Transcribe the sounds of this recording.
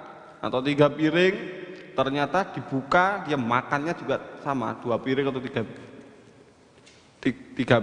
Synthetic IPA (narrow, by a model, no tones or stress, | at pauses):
ʔa̰t̪awt̪iɡapiɾɪŋt̪ərɲat̪ad̪̥i̤b̥ukajamakanɲad͡ʒuɡasama̰d̪̥uapiɾɪŋat̪at̪iɡ̥a | t̪t̪iɡ̥a